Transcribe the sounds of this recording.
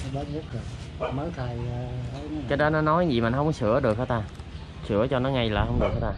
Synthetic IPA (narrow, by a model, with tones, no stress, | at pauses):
ɓə˨˦mɨ˦˥k̚zo˨˩ | ma˨˦t̪ʰa˨˩jkaː˨˦jɗɔ˨˦nɔ˨˦nɔ˨˦jzḭ˧˨˩ma̰˨˩nhə˧wŋ͡mkɔ˦sɨ̰˧˩˥əɗɨ˨˩ək̚ːaː˨˦t̪aː˧ | sɨ̰˧˩ət͡ɕɔ˧nɔ˨˦ŋa˧jlaː˨˩hə˧wŋ͡mɗɨ˨˩k̚ha˨˦t̪aː˧